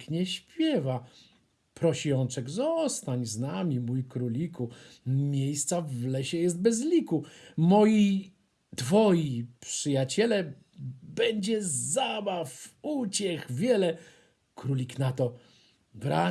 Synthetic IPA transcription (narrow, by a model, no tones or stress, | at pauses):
kɲɛɕpʲjɛva | pɾɔɕiɔnt͡ʂɛɡzɔst̪aɲznamʲimujkɾulʲikumʲjejst̪savlɛɕɛjɛst̪̚bɛzlʲikumɔji | d̪̥vɔjipʂɘjat͡ɕɛlɛ | bɛɲd͡ʑɛzabafut͡ɕɛxvʲjɛlɛ | kɾulʲiknat̪ɔ | bɾa